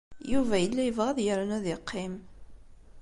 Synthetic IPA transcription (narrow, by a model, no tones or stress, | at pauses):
juvæjəlːæjəvʁæðˤjəɾənæðɪqʰːɪm